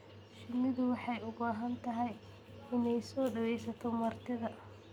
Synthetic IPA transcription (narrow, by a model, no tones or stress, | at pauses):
ʃɪmɪðʊwɑħɑjʊbaːɦɐnt̪ʰɐɦɛj | ɪnɛjsɔːɖɐwɛjsɐt̪ʰɔmɐrt̪ʰɪðɐ